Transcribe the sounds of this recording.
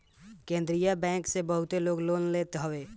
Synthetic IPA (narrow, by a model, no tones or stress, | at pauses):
kẽːnd̪ɾijabɛ̃ːksebəɦʊt̪eloːɡloːnleːt̪ɦəʋeː